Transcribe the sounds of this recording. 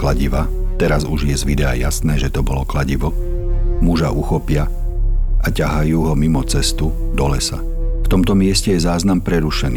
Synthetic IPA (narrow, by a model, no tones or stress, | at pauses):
klaɟiʋa | t̪ɛɾazuʒjɛzʋid̪ɛa̰jasnɛːʒɛt̪ɔbɔlɔklaɟiʋɔ | muʒaʔuxɔpɪa | acaɦajuːɦɔmimɔt͡sɛst̪u | d̪ɔlɛsa̰ | ft̪ɔmt̪ɔmɪɛscɛjɛzaːznampɾɛɾuʃɛniː